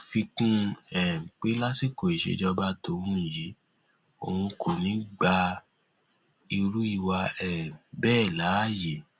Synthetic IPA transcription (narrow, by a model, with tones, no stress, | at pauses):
fi˧kũ˦ɛ˦˨k͡pe˦la˦si˦ko˨i˨ʃḛ˨˦d͡ʒɔ˧ba˦to˨˦wũ˦˨ji˨˦ | o˨hũ˧kʰo˨nĩ˨˦ɡ͡ba˧ | i˧ɾu˦i˦˧˨wa˧ɛ˦˨bɛː˦˨la˨˦˨je˨